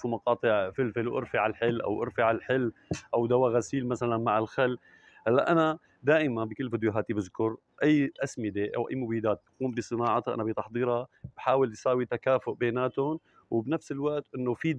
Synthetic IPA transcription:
fumɑqɑːt̪ˤɨʕfɪlfɪlwʔɪ̰ɾfɪʕalħɪlːʔa̰wʔɪ̰ɾfɪʕalħɪlːʔawd̪awaɣasiːlmasalanmaʕɪlxalː | halːa̰ʔana | d̪aːʔɪmanbikɪlːfiːd̪joɦaːt̪ibɪzkʊɾ | ʔajːʔasmɪd̪eʔa̰wʔa̰jːmʊbiːd̪aːt̪̚bquːmbisˤɨnɑːʕɑt̪haʔa̰nabit̪ɑħd̪ˤiːɾab̥ħaːwɪljsaːwit̪akaːfʊʔbeːnaːt̪ʊn | wbnafsɪlwaʔt̪ʔɪnːofiːd̪

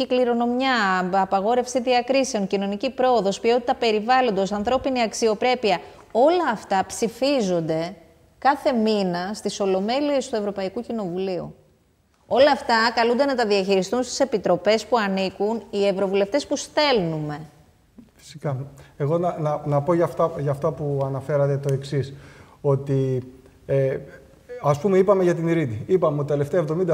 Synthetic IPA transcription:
ikliɾo̞no̞mjɐɐpɐɣo̞ɾe̞fsiðiɐkɾise̞o̞ŋcino̞nicipɾo̞oðo̞spio̞t̪it̪ɐpe̞ɾivɐlo̞nd̪o̞sɐnθɾo̞piniɐksio̞pɾe̞piɐ | o̞lɐːft̪ɐpsifizo̞nd̪e̞ | kɐθe̞minɐst̪iso̞lo̞me̞lie̞st̪ue̞vɾo̞pɐikucino̞vuliṵ | o̞lɐːft̪ɐkɐlund̪e̞nɐt̪ɐðiɐçiɾist̪unst̪i̥se̞pit̪ɾo̞pe̞spuɐnikunievɾo̞vule̞ft̪e̞spust̪e̞lnume̞ | fi̥si̥kɐeɣo̞nɐnɐnɐpo̞ʝɐft̪ɐʝɐft̪ɐpuɐnɐfe̞ɾɐt̪et̪o̞e̞ksis | o̞t̪i | e | ɐspumeipɐme̞ʝɐt̪iniɾid̪iipɐmeot̪it̪e̞left̪eɐevðo̞mind̪ɐ

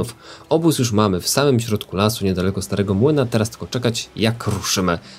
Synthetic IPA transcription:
ufɔbusjuʂmamɘfsamɘmɕɾɔt̪kulasuɲɛd̪alɛkɔst̪aɾʔɛɡɔmwɘnat̪ɛɾast̪ɘ̥ɡɔt͡ʂɛkat͡ɕjakɾuʂɘmɘ

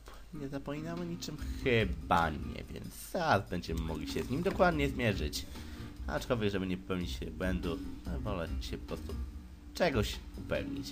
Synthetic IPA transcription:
bɔɲɛzapɔmʲinawɛɲit͡ʂɘmxɘbaɲɛ̰vʲjɛ̰nt̪saazbɛɲd͡ʑɛmɘmuɡlʲiɕɛzɲimd̪ɔkwad̪ɲɛzmʲjɛʐɘt͡ɕa̰ɔt͡ʂkɔlvʲjɛɡʐɛbɘɲɛpɛwɲit͡ɕɕɛbwɛnd̪unɔvɔlɛɕɛpɔ̥pɾɔst̪u | t͡ʂɛɡɔɕupɛ̰vɲit͡ɕ

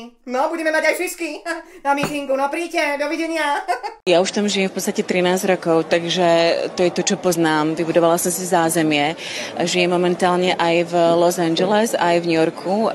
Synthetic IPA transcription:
nɔbuɟɛmɛmaɟajfiskinamit̪iŋɡunɔpɾiːcɛd̪ɔʋiɟɛɲɪajauʃt̪amʒijɛmfpɔt̪st̪acɛt̪ɾinaːzɟɾɔkɔʊt̪aɡʒɛt̪ɔjɛt̪ɔt͡ʃɔpɔznaːmʋibud̪ɔʋalasɔmsizaːzɛmɪɛ | ʔaʒijɛmːɔmɛnt̪aːlɲɛʔajvlɔzand͡ʒɛlɛzajvɲujɔɾkʰu

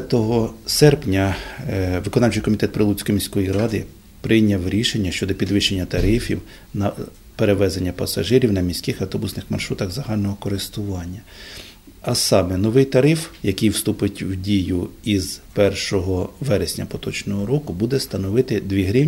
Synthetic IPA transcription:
t̪ɔɦɔsɛrpnʲɐ | ʋɪkɔnɑwʲt͡ʃɪjkɔmʲit̪ɛt̪̚pɾɪlˠut͡sʲkɔjmʲisʲkɔjiɾɑd̪ɪ | pɾɪjnʲɐwɾʲiʃenʲːɐʃt͡ʃɔd̪ɔpʲid̪ʋɪʃt͡ʃenʲːɐt̪ɐɾɪfʲiw | nɐ | peɾeʋɛzenʲːɐpɐsɐ̰ʒɪɾʲiwnɐmʲisʲkɪxɐwt̪ɔbusnɪxmɐ̰rʃɾut̪ɐɣzɐɦɑlʲnɔɦɔkɔɾɪst̪ʊʋɑnʲːɐ | ɐsɑmɛnɔʋɪjt̪ɐɾɪfjɐkɪjwst̪upɪtʲwdʲijʊiz̥pɛrʃɔɦɔʋɛɾesʲnʲɐpɔt̪ɔt͡ʃnɔɦɔɾɔkʊbud̪ɛst̪ɐnɔʋɪt̪ɪd̪ʋʲiɦɾʲi

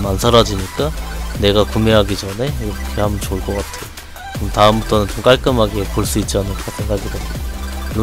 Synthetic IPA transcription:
mansʰaɾad͡ʑiɲik͈ane̞ɡakumeɦaɡid͡ʑʌne̞iɾʌkʰe̞hambʌnt͡ɕoɭk͈ʌk͈atʰejo | kɯɯmtaɯmbutʰonɯnt͡ɕomk͈aɭk͈ɯmɦaɡepoɭs͈uit̚t͡ɕ͈anɯɭk͈ʰasʰe̞ŋɡaɡideɡu

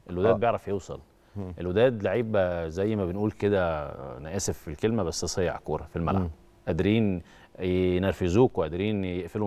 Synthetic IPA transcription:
ʔelwed̪æːbjeʕɾˤɑfjewsˤɑ̰l | ʔelwed̪æːd̪laʕiːbæzæjːmæbenʔuːlked̪ænæʔæːsefilkelmæbæsːesˤejːɑ̰ʕkuːɾˤɑfilmæ̰lʕa | ʔæd̪ɾiːn | jnæɾfɪzuːkwʔæd̪ɾiːnjeʔfil

